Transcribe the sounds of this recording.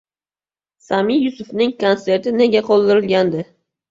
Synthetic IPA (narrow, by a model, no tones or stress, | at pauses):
samɪjjʊsʊfnɪŋkʰonse̞ɾt̪ɪne̞ɡʲaqʰɒlˠd̪ɪɾɪlɡʲand̪ɪ